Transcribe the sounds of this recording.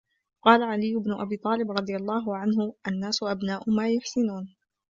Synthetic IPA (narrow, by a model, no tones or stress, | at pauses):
qɑːlaʕalɪjːʊbnʊʔabiːt̪ˤɑːlɪbɾˤɑd̪ˤɨjalˤːɑːɦʊʕanɦʊʔanːaːsʊʔabnaːʔʊmaːjʊħsɪnuːn